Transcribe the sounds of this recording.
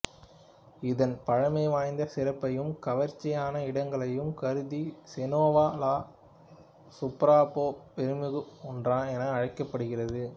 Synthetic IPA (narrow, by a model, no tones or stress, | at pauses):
ɪðɐnpɐɻɐmɐɪʋaːjnd̪ɐsɪɾɐpːɐjɯmkɐʋɐɾt͡ʃːɪjaːnɐɪɽɐŋɡɐɭɐjɯmkɐɾɯðisɛnoːʋaːlaː | sʊpɾaːpoːpɛɾɯmɯɣɯɔndrãːɛnɐːɻɐɪkːɐpːɐɽɯɣɪrɐðɯ